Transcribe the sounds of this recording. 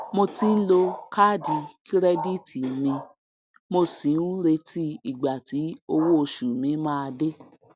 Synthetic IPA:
mo˧ti˦lo˧ka˦˨di˨ki˦ɾɛ˦di˦˨ti˨mĩ˧ | mo˧sĩ˨˦ũ˦ɾe˧ti˦i˨ɡ͡ba˨ti˨˦o˧wo˦o˧ʃu˨mĩ˨˦mãː˦a˧de˦

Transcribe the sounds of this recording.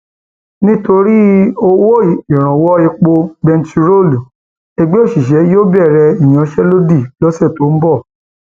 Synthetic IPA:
nĩ˦to˧ɾi˦o˧wo˦˨i˨ɾ̃ã˨wɔ˦e˧k͡po˧bɛ˧nti˧ɾo˦˨lu˨ | ɛ˧ɡ͡be˦o˦˨ʃi˨ʃ̬ɛ˨˦joː˦bɛ˦˨ɾɛ˧i˨j̃ã˨˧ʃɛ˦lo˦di˦˨lɔ˦sɛ˦˨to˨˦m̩˦bɔ˦˨

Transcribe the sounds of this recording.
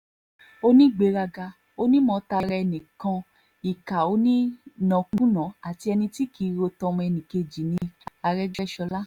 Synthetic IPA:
o˦nĩ˦ɡ͡be˨˦ɾa˧ɡa˧ | o˦nĩ˦mɔ̃˨˧˦ta˧ɾɛ˧ɛ˧nĩ˨kã˧ | i˨ka˨o˨˦nĩ˦nɔ̃˨kũ˦nã˨˦a˨ti˧ɛ˧nĩ˧ti˦ki˨˦ɾo˧tɔ̃˧m̃˧ɛ˧nĩ˨ke˧d͡ʒi˨nĩ˧a˧ɾɛ˦d͡ʒɛ˦ʃɔ˧la˦

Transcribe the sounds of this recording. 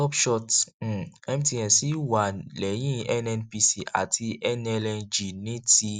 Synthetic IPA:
ɔ˦pʃɔ˦˧t̩˨ | ɛ˦mĩ˦ti˧jɛ̃˨si˨˦wa˨lɛ˨˦j̃ĩ˦ɛ˦nɛ˧npi˧si˨ʔa̰˨ti˧ʔɛ˦nɛ˧lɛ˧d͡ʒi˨nĩ˨˦ti˧

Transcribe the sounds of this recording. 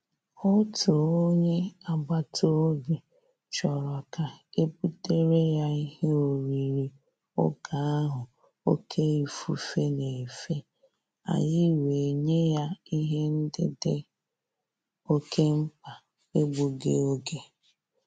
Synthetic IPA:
o˦tuo˨o˦ɲe˦a˨ɡ͡ba˨tʰo˦ɡu˨ | t͡ʃɔ˨ɾɔ˨ka˨e˦pu˦te˦ɾe˦ja˦i˦he˦o˨ɾi˨ɾi˨ | ʊ̰˦ka˨a˦ɦʊ˨ | o˦kʰe˦i˨fu˦fe˦ne˨fe˦ | a̰˨ɲɪ˦we˨ɲe˦ja˦i˦ɦe˦n̩˦dɪ̰˦dɪ˦ | o˦kʰe˦m̩˦pa˨ | e˦ɡ͡bu˨ɡḛ˦o˦ɡe˦

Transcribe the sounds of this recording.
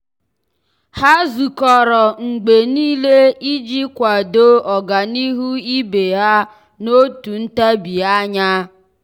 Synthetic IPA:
ha˦zu˨kɔ˨ɾɔ˨ŋ͡m̩˨ɡ͡be˨niː˦le˦i˦d͡ʒi˦kʷa˨do˦ɔ˨ɡa˨ni˦ɦu˦i˦be˨ɦa˦ | no˦tu˨n̩˦ta˦bi˨a˦ɲa˦

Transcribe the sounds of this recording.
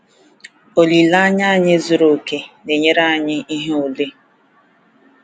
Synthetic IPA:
o˨li˨la˦ɲa˦a˦˨ɲɪ˦zu˨ɾo˨ke˦ne˨ɲe˦ɾa˦a˨ɲɪ˦i˦ɦe˦o˨le˦

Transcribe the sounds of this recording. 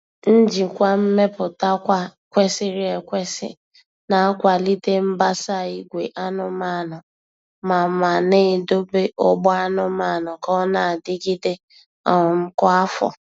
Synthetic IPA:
n̩˦d͡ʒi˨kʷa˦m̩˦me˦pʊ˨ta˦kʷa˦kʷe˦sɪ˦ɾi˦e˨kʷe˦sɪ̰˨ | na˨˦kʷa˨li˦te˦m̩˦ba˦sa˦˨i˦ɡʷe˨ʔa˦nʊ˦ma˦˨nʊ˨ | ma˨ma˨ne˦˨do˦be˦ʔɔ˦ɡ͡bɔ˦a˦nʊ˦ma˦˨nʊ˨kɔ˦na˨a˨dɪ˦ɡi˦de˦ | ɔ˨m̩˦kɔ˦a˦fɔ̰˨

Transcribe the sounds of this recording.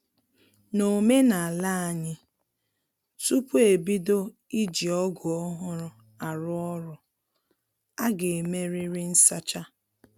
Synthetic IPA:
no˨me˦na˨a˨la˦a˨ɲɪ˦ | su˦pu˦e˨bi˦do˦ | i˦d͡ʒi˨ɔ˦ɡʊ˨ɔ˦ɦʊ˦ɾʊ˦ | a˨ɾʊ˦ɔ˦ɾʊ˨ | a˦ɡe˨me˦ɾɪ˦ɾɪ˦n̩˦sa˦t͡ʃa˦

